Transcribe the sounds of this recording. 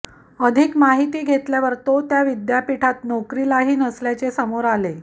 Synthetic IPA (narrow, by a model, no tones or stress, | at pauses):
əd̪ʱikmaɦit̪iːɡʱet̪ljaʋəɾt̪ot̪jaʋid̪japiʈʰat̪nɔkɾilaɦiːnəsljat͡sesəmoɾale